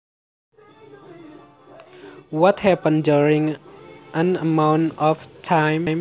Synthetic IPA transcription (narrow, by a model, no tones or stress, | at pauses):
wɔt̚hɛpə̃nduɹĩŋʔãnəmãwnɔftʰajmjm